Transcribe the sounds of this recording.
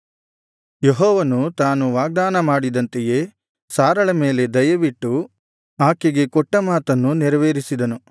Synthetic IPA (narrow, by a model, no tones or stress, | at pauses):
jeɦɔːʋɐnut̪aːnuʋaːɡ̚d̪aːnɐmaːɽid̪ɐnt̪eje̞ː | saːɾɐɭɐme̞ːle̞d̪ɐjɐʋiʈːu | aːkeɡe̞kɔʈːɐmaːt̪ɐnːuniɾɐʋeːɾisid̪ɐnu